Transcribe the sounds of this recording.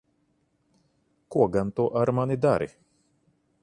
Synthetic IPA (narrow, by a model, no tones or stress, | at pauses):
kuɔɡant̪uɔʔaɾmanid̪aɾḭ